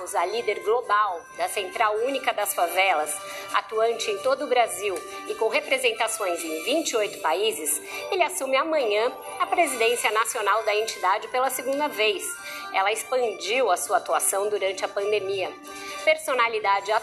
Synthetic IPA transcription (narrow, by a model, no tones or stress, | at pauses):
zɐlid̪eɾɡlobawd̪ɐsẽnt̪ɾawũnikɐd̪ɐsfavɛlɐs | a̰t̪uɐ̃nt͡ʃɪẽj̃t̪od̪ʊːbɾaziw | ɪkõw̃ɦepɾezẽnt̪asõj̃zẽj̃vĩnt͡ʃɪojt̪ʊ̥paizɪs | elɪasũmɪamɐ̃ɲɐ̃ | ɐpɾezid̪ẽsiɐnasionawd̪ɐẽnt͡ʃid̪ad͡ʒɪpelɐseɡũnd̪ɐvejs | ɛlɐɪspɐ̃nd͡ʒiwɐsuɐat̪uasɐ̃w̃d̪uɾɐ̃nt͡ʃɪɐpɐ̃nd̪emiɐ | peɾsonalid̪ad͡ʒɪa